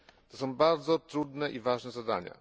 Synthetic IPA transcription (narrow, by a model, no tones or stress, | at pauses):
t̪ɔsɔ̃w̃baɾd̪zɔt̪ɾud̪nɛʔivaʐnɛzad̪a̰ɲa̰